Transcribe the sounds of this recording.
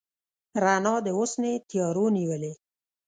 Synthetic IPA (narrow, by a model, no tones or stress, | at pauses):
ɾanɑd̪əosnet̪jɑɾoniwəle